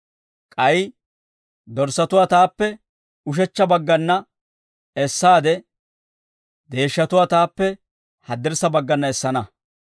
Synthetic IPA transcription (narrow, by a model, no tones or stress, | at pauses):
kʼɐj | d̪ɔɾsɐt̪ʊwaːt̪aːpːɛ | ʊʃ̬ɛt͡ʃːɐbɐɡːɐnːɐ | ɛsːaːd̪ɛ | d̪e̞ːʃːɐt̪ʊwaːt̪aːpːɛ | hɐd̪ːɪɾsɐbɐɡːɐnːɐɛsːɐnɐ